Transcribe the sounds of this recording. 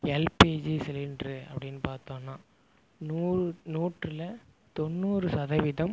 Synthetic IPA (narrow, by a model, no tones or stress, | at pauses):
ɛlpid͡ʒisɛlɪndrɯɐ̰pːɐɽɪnːɯpaːɾt̪õːnːaː | nuːnuːʈrɪlɐ | t̪ɔnːuːɾɯsɐðɐʋɪðɐm